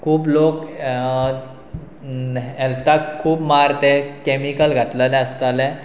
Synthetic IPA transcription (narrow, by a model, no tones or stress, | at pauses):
kʰuːbloːk | ɛlt̪akʰːuːbmaɾt̪ekɛmikəlɡʱət̪lalɛ̃əst̪ale